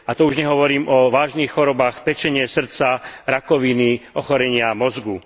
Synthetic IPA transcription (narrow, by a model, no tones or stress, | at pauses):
at̪ɔuʒɲɛɦɔʋɔɾiːmʔɔʋaːʒniːxːɔɾɔbaːxpɛt͡ʃɛɲɪɛsr̩t͡saɾakɔʋiniɔxɔɾɛɲɪamɔzɡu